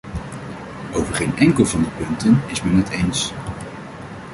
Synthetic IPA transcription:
ʔowvəɹχejnɛŋkəlˠvɑndəpɵntənɪsmɛnətʰejns

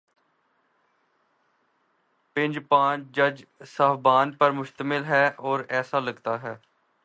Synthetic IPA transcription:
pɪ̃ɲd͡ʒpãːt͡ʃd͡ʒəd͡ʒsaːfbaːnpəɾmʊʃt̪əmɪlɦɛːɔːɾɛːsaːləɡt̪aːɦɛː

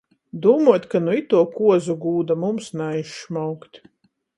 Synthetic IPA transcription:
d̪uːmuɔt̪ʲkanuit̪uɔkuɔzuɡuːd̪amumsnajʃmawkt̪ʲ

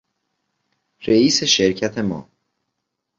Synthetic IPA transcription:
ɾeiːse̞ʃeɾcʰæt̪ʰe̞mɒ̰ː

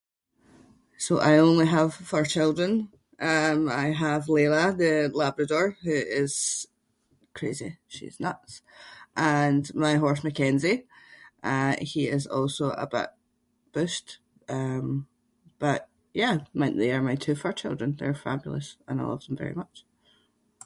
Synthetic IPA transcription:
soʔa̰ɪõnlˠiəv̥fə˞t͡ʃʰɪlˠdɹə̃n | ʔʌ̃maɪəvlˠeləðəlˠabɹədɔɹhʉɪz̥ | kʰɹ̥ezḭʃḭz̥nʌ̰tsʔə̃nmaɪɦɔɹs̬məkʰɛ̃nziʔəhiɪzɔ̰lˠsoʔə̰ba̰ʔ | b̥ʉʃt | ʔʌ̃m | b̥ʌʔ | jæmãnʔðeə˞maɪtʰʉːfə˞t͡ʃʰɪlˠdɹə̃nðə̰˞fa̰bjl̩ˠə̰sə̰̃naɪlˠʌ̰v̥ðə̃ɱvɛ̰ɹḭmʌt͡ʃ

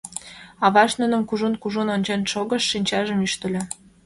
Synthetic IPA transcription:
ɑβɑʃnə̆nə̆mkuʒunkuʒunonʲt͡ɕenʃoɣə̆ʃːinʲt͡ɕɑʒə̆myʃt̪ə̆lʲĕ

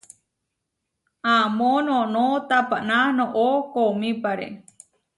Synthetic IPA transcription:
amonõnõt̪apananõʔokomĩpaɾḛ

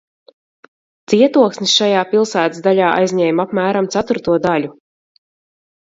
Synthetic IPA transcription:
t̪siɛt̪uɔksnʲisʃajaːpilˠsæːt̪ɨsd̪aʎʲaːʔa̰jzʲɲɛːjmapmæːɾamt̪sat̪uɾt̪uɔd̪alʲu

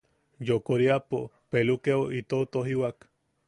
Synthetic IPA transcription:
jokoɾiapo | pelukeoʔit̪ot̪oɦiwak

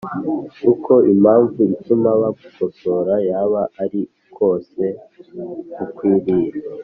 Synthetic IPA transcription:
ukʰo̞ʔimaːɱvuitumaβaɡuko̞so̞ɾajaβaʔaɾi | kʰo̞ːse̞ | kukwiːɾiːɾa

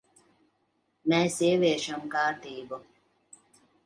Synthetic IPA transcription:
mɛːsiɛʋʲeɛʃamkaːɾt̪iːbu

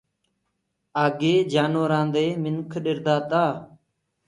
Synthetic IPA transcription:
aːɡeːd͡ʒaːnoːɾãːnd̪eːmɪnkʰɗɪɾd̪aːt̪aː

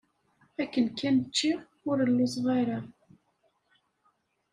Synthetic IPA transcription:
ækːənkːænt͡ʃːi | ʊɾəlːisˤʁaɾa

